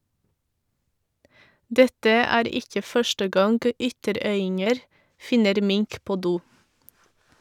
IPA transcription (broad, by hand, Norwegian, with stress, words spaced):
ˈdɛtə ˈæːɾ ˈɪkə ˈfœʃʈə ˈɡɑŋɡ ˈʏtəˌɾœʏɪŋəɾ ˈfɪnəɾ ˈmɪŋk ˈpoː ˈduː